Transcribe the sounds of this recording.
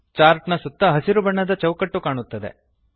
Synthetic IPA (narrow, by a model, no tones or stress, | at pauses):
t͡ʃaːɾʈnɐsut̪ːɐɦɐsiɾubɐɳːɐd̪ɐt͡ʃɐwkɐʈːukaːɳut̪ːɐd̪ḛ